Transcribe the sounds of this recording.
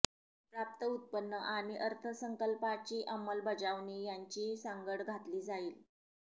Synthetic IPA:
pɾap̚t̪əut̪̚pənːəʔaɽ̃iʔəɾt̪ʰəsəŋkəlpat͡ɕiːʔəmːəlbəd͡zaʋɳijaɲt͡ɕiːsaŋɡəɽɡʱat̪liːd͡zaiːl

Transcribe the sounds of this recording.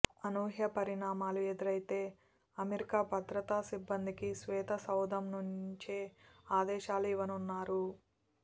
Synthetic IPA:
ɐnoːɦjɐpɐɾiɳaːmaːlued̪iɾɐjt̪e̞ː | ɐmeɾikaːbʱɐd̪ɾɐt̪aːsibːɐnd̪ikisʋɛːt̪ɐsɐwd̪ɐmnuɲt͡ʃeaːd̪ɛːʃaːluiʋɐnunːaːɾu

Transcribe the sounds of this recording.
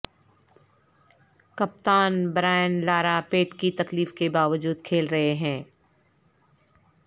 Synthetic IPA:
kɐp̚t̪aːnbɾaːjənlaːɾapeːʈkit̪ɐkliːfkebaːʋəd͡ʒuːd̪kʰeːlɾɐɦeɦɛ̃ː

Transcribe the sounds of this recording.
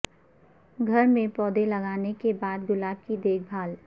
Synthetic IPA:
ɡʱɐɾmẽpɔːd̪elɐɡaːnekebaːd̪ɡʊlaːb̚kid̪eːk̚ʰbʱaːl

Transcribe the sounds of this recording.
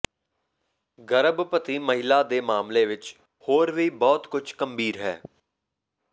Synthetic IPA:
ɡəɾəbpət̪iːməɦɪlaːd̪eːmaːmleːʋɪt͡ʃ | hoːɾʋiːbɔːt̪kʊt͡ʃʰkəmbʱiːɾɦɛ̰ː

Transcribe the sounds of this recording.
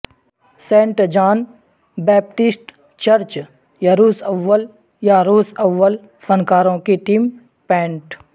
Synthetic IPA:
sẽːɳʈd͡ʒaːn | bɛːp̚ʈɪsʈ | t͡ʃɐɾt͡ʃ | jaɾuːsəʋːəl | jaɾoːsɐʋːəl | fənkaːɾõkiʈiːm | pɛ̃ːɳʈ

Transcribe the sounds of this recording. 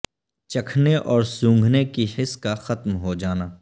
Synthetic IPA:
t͡ʃɐkʰneʔɔːɾsũːŋɡʱnekihɪskaxɐt̪mɦod͡ʒaːnaː

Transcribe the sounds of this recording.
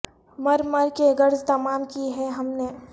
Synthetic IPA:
mɐɾmɐɾkeɡɐɾzt̪ɐmaːmkiɦɛ̃ɦɐmne

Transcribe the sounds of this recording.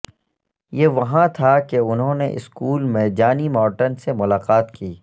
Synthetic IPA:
jeːʋɐɦãt̪ʰakeʊnɦõnḛʔɪ̰skuːlmɛːd͡ʒaːnimɔːʈənsemʊlaːqaːt̪kiː

